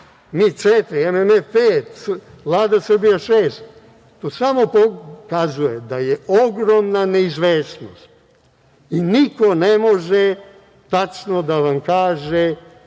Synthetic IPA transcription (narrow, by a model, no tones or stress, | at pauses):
miset̪ɾiememefpeːt̪ | ʋlˠaːd̪asəbiaʃeːst̪̚ | t̪ːoːsamo̞pokazujed̪ajeoɡɾomnaneizʋeːsno̰st̪̚ | iniko̞nemo̞ʒe | t̪at͡ʃnod̪aʋamkaːʒe